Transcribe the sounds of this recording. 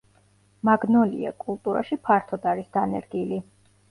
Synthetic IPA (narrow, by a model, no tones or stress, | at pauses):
maɡnɔlḭa̰kʼulˠt̪ʼuɾa̰ʃipʰaɾt̪ʰɔd̪aɾisd̪̥anɛ̰ɾɡili